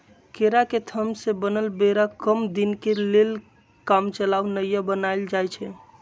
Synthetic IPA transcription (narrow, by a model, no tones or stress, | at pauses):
keɾaket̪ʰəmsebənəlbeɾakəmd̪inkelel | kamt͡ʃəlaʋnəjəbənajld͡ʒajt͡ʃʰɛ